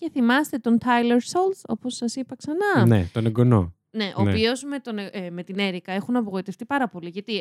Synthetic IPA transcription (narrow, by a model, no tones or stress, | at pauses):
ce̞θimɐst̪e̞t̪o̞nt̪ʰɐjleɾsolso̞po̞sːɐsipɐksɐnɐnḛt̪o̞neɡo̞no̞̰ | ne̞ʔoːpio̞zme̞t̪o̞neme̞t̪ine̞ɾikɐe̞xunɐpo̞ɣo̞it̪e̞ft̪ipɐɾɐpo̞liʝɐt̪i